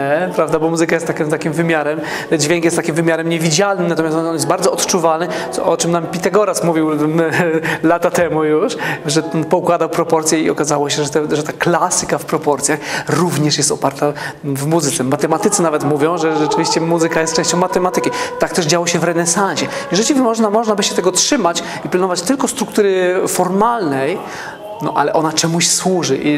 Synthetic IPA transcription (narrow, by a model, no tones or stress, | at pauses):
ɛpɾavd̪abɔmuzɘkajɛst̪ːakɛt̪akʲimvɘmʲjaɾɛm | d͡ʑvʲjɛŋkjɛst̪ːakʲimvɘmʲjaɾɛmɲevʲid͡ʑalnɘmnat̪ɔmjast̪ɔnɔnjɛst̪̚baɾd̪zɔɔt̪t͡ʂuvalnɘt̪ɔ̰ʔɔt͡ʂɨmnampʲit̪aɡɔɾasmuvʲiw | lat̪at̪ɛmujuʂʐɛt̪ɔnpɔukwad̪awpɾɔpɔɾt̪sʲjɛḭɔkazawɔɕɛʐɛt̪ɛʐɛt̪aklasɘ̥kafpɾɔpɔɾt̪sjaxɾuvɲɛʂjɛst̪ɔpaɾt̪avmuzɨt̪sɛmːat̪ɛmat̪ɘt̪sɨnavɛt̪muvʲjɔ̃w̃ʐɛʐɛt͡ʂɘvʲiɕt͡ɕɛmuzɨkajɛst̪̚t͡ʂɛ̃ɕt͡ɕɔ̃w̃mat̪ɛmat̪ɘkʲit̪ak̚t̪ɛʐd͡ʑawɔɕɛvɾɛnɛsanɕɛjɛʐɛt͡ɕivʲmɔʐnamɔʐnabɘɕɛt̪ɛɡɔtʂɘmat͡ɕ | ipʲlanɔvat͡ɕt̪ɘlkɔst̪ɾukt̪uɾɘfɔɾmalnɛj | nɔ̰ʔa̰lɛʔɔnat͡ʂɛmuɕswuʐɘʔi